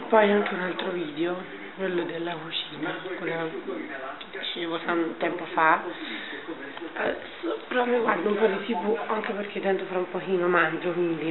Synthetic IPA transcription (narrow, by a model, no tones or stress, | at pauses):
pɔjaŋkeunalt̪ɾoviːd̪eo | kwelːod̪elːakut͡ʃiːnakwelːa | ked̪it͡ʃeːvot̪ʰant̪ɛmpofa | speɾɔmiɡward̪aumpɔd̪it̪iːpuaŋkeperkʰed̪ɛnt̪ofaɾaumpokiːnomand͡ʒokwind̪i